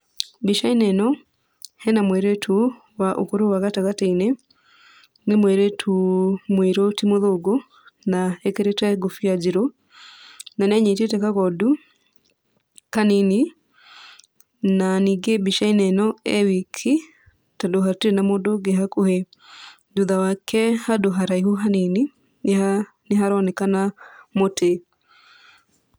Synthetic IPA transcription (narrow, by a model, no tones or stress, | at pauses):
biʃaineno | henamwɛɾetʰu | waʔṵkoɾowaɣataɡataine | nimwɛɾɛtʰumwiɾotimoðoɡo | naekeɾetaeɡofijaɟiɾo | naneɲetet̬ekakodu | kanini | naniɡebiʃainɛnɔɛwikʰi | tadoɦateɾenamodoɡeɦakohe | duðawakʰɛhadoɦaɾaihuɦaneni | neɦaɾɔnɛkanamotʰe